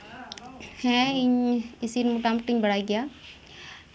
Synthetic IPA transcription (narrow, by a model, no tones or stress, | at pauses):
hɛ̃iɲɪsiɾmuʈaːmʈɪɲbɐɽaːiɡɪjaː